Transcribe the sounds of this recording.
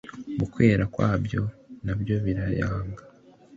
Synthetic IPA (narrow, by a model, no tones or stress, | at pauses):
βukwe̞ːɾakwaːbjo̞nabjo̞βiɾajaːŋɡa